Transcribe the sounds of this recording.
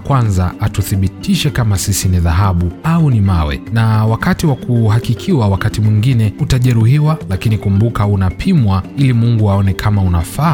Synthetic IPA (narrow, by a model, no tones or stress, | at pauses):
kwanzaatuθiɓitiʃɛkamasisiniðaɦaɓuaunimawɛ̰nawakatiwakuhakikʰiwawakatimwiŋɡinɛutaʄɛɾuɦiwalakinikumbukaunapʰimwailimuŋɡuaɔnɛkʰamaunafa